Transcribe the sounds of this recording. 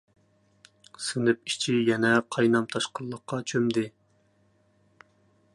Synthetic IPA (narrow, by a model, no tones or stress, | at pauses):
sɨnɪp̚i̥t͡ʃʰijɛnɛqʰɑjnɑmt̪ʰɑʃqəlˠːəqːɑt͡ʃʰømd̪ɪ